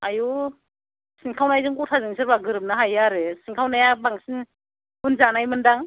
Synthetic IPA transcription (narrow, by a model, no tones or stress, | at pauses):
ajɔ | siŋkʰawnajzɯŋutʰazɯŋsʰɯɾbaɡɯɾɯp̚naɦajaɾɯsiŋkʰawnajabaŋsin | bunzanajmɯndaŋ